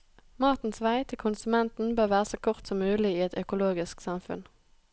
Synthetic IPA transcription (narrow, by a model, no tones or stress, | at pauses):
mɑʁt̪n̩sʋæɪt̪ʰɪlkʰʊnsʉmɛnt̪n̩bøːʁʋæːʁəsoːkʰʊʁt̪sɔmːʉːlɪiːɛt̪œkʊloːɡɪsksɑmfʉ̰n